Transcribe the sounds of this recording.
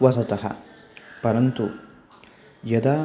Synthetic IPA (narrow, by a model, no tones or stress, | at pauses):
ʋɐsɐt̪ɐɦɐ̰pɐɾɐnt̪u | jɐd̪aː